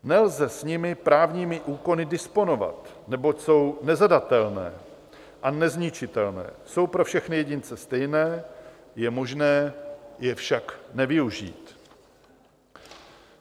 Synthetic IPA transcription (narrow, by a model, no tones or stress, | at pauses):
nɛlzɛsɲɪmɪpɾaːvɲiːmɪʔuːko̞nɪdɪspo̞no̞va̰t̪ | nɛbo̞cso̞wnɛzadat̪ɛlnɛ̰ː | ʔanɛzɲɪt͡ʃɪt̪ɛlnɛ̰ːso̞wpɾo̞fʃɛxnɪjɛɟɪnt͡sɛst̪ɛjnɛː | jɛmo̞ʒnɛːjɛfʃaknɛvɪuʒḭːt̪